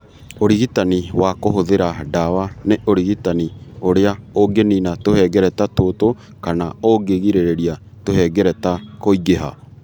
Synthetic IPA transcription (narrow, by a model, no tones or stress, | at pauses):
oɾiɣitaniwakoɦoðeɾadawaneʔoɾiɣitanioɾeaoɡeninatohɛɡɛɾɛtatoto | kanaoɡeɣiɾeɾeɾia | tohɛɡɛɾɛtakoiɡeɦa̰